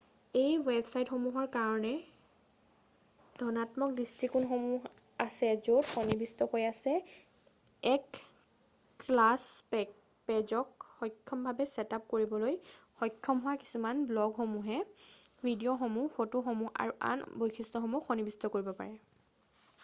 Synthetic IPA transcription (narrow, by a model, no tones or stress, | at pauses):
ejwebʱsajtxomuɦɔɹkaɹɔnɛ | d̥ʱɔnatmɔk̚distɹikunxomu | asɛzotxonibistɔkojasɛ | ɛk | klas | pɛzɔkxɔkʰːɔmbʱabɛsɛtap̚koɹibɔlojxɔjkʰːɔmɦʊwaki̥sumanblɔɡxomuɦɛbʱidioxomupʰotoxomua̰ɹuʔa̰nbojkʰistɔxɔmuxonibistɔkoɹibɔpa̰ɹɛ